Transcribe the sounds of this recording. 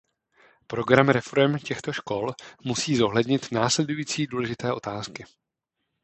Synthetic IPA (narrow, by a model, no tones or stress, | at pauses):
pɾo̞ɡɾamɾɛfo̞ɾɛmcɛxt̪o̞ʃko̞lmusiːzo̞ɦlɛdɲɪt̪naːslɛdujiːt͡siːduːlɛʒɪt̪ɛːʔo̞t̪aːskɪ